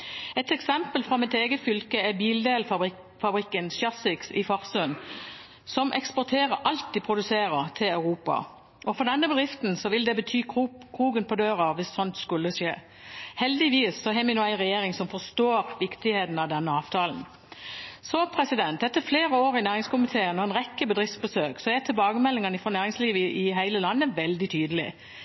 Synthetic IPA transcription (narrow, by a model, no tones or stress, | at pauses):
ɛt̪ɛksɛmpəlfɾɑmɪt̪eːɡət̪fʏlkəɛbiːld̪eːl | fɑbɾɪkːənsjɑsɪksɪfɑʁsʉn | sɔmʔɛkspɔʁt̪ʰeːʁəɾʔɑlt̪̚d̪ɪpʰɾʊd̪ʉseːɾət̪ʰɪlɑʉʁuːpɑ̰ | ʔɔfɔʁd̪ɛnːəbəd̪ʁɪft̪n̩sɔʋɪld̪ɛbət̪ʰyːkʰʁuːɡənpʰɔd̪øːʁɑʋɪsːɔnt̪skʉlːəʃeː | hɛld̪ɪʋiːsːɔɦɛmɪnoːæɪnʁɛjeːɾɪŋsɔmfɔst̪oːɾʋɪkt̪ɪheːt̪n̩ɑʋd̪ɛnːəɑːʋt̪ʰɑːln̩ | sɔpʰɾɛsɪd̪ɛnt̪ɛt̪ːəfleːɾəoːɾɪnæːʁɪŋskʊmɪt̪ʰeːənɔɛnʁɛkːəbəd̪ɾɪft̪sbəsøːksɔɛt̪ʰɪlbɑːɡəmɛlːɪŋɑnɪfɾɔnæːɾɪŋsliːʋəʔɪɦæɪləlɑnːəʋɛld̪ɪt̪ʰyːd̪əlɪ̰